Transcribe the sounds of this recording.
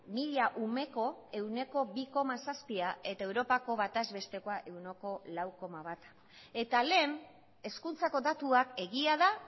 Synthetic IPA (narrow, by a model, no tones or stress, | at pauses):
miʎaʔume̞ko̞e̞wne̞ko̞βiko̞masaspiae̞t̪ae̞wɾo̞pako̞βat̪azβe̞st̪e̞koaʔe̞wnoko̞lawko̞maβat̪ | e̞t̪ale̞ːn | e̞skunt͡sako̞d̪at̪uake̞ɣiaða